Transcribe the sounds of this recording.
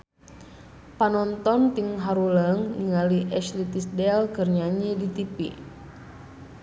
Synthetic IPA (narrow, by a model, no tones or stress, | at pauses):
panɔnt̪ɔnt̪iŋɦaɾuləŋniŋaliʔɛʃlit̪isdɛlkərɲaɲɛdit̪ipḭ